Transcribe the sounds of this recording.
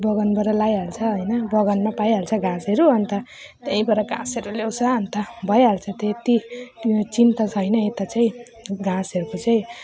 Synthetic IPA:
bʌɡʌnbʌɾʌlajɦalt͡sʰʌɦʌjnʌbʌɡʌnmapajɦalt͡sʰʌɡãseɾuʌnt̪ʌ | t̪aĩbʌɾʌɡã̰seɾulewt͡sʰʌʌnt̪ʌbʱʌjɦalt͡sʰʌt̪et̪i | t͡sint̪ʌt͡sʰʌjnʌet̪at͡saĩ | ɡãsʌɾukot͡saĩ

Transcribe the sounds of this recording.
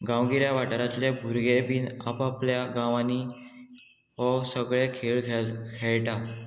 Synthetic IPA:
ɡãwɡiɾjaʋaʈəɾat̪lebʱuɾɡebiːna̰papljaɡãʋani | ʋɔsəɡɭekʰeɭkʰɛɭʈa

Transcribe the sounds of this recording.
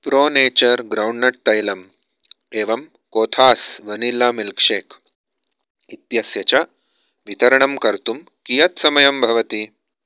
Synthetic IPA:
pɾoːneːt͡ʃɐɾɡɾɐwɳɖnɐʈ̚t̪ɐjlɐm | eːʋɐm | koːt̪ʰaːsʋɐnilaːmilkʂeːkʰ | it̪jɐsjɐt͡ʃɐ | ʋit̪ɐɾɐɳɐmkɐɾt̪um | kijɐt̪sɐmɐjɐmbʱɐʋɐt̪i

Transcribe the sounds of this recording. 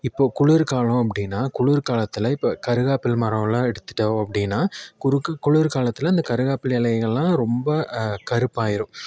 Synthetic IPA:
ɪpːoːkʊɭɪɾkaːlʊ̃ɐp̬ːɐɽɪnːaːkʊɻʊɾkaːlɐt̪ːɪlɐɪpːɐkɐɾɯɣaːpːɪlmɐɾɐ̃lãːɛɽɯt̪ːɯ̥ʈːɐɐpːɐɽɪnːaːkʊɾkːkʊɭɪɾkaːlɐt̪ːɪlɐɪnd̪ɐkɐɾɯɣaːpːɪlɛlɐɣɐɭlãːɾɔmbɐkɐɾɯpːaːjɪɾɯ̃m

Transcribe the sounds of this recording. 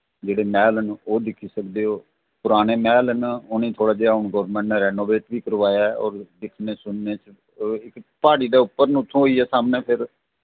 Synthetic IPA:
d͡ʒeːɽeːmɛːlənoːd̪ɪkʰiːsəkd̪eːoː | pʊɾaːneːmɛːlənonĩːt̪ʰoːɽaːd͡ʒeːaːʊɳɡɔːɾmɛ̃ːɳʈneːɾɛːnoːʋeːʈʋiːkəɾʋaːjaːɔ̰ːɾd̪ɪkʰneːsʊnːeːt͡ʃ | ɪkpaːɽiːd̪eːʊpːəɾnũːʊt̪ʰːõːɦoːiːɛːsaːmnẽːpʰɪɾ

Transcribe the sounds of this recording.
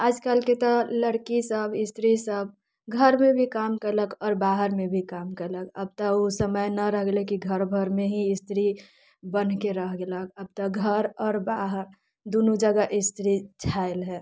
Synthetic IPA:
aːd͡ʒkalket̪ɔləɽkisəbɪst̪ɾisəb̚ | ɡʱəɾmẽbʱikaːmkəɾləkʰɔːɾbaːɦəɾmẽbʱikaːmkəɾləkə̰b̚t̪əosəməjnɐɾəɦɡlekiɡʱəɾbʱəɾmẽɦiɪst̪ɾi | bənkeɾəɦɡeləkəb̚t̪əɡʱəɾɔːɾbaːɦəɾ | d̪onud͡ʒəɡaʔɪst̪ɾit͡ʃʰaelɦɛ

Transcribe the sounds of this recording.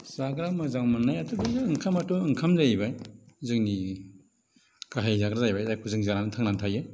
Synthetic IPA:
saɡɾamazaŋwmanːajatʰubɯzɯːŋkʰamatɔɯŋkʰamzajbajzɯŋni | kaɦajzaɡɾazajbajzajkʰuzɯŋzaɾanɯtʰaŋnantʰajɯ

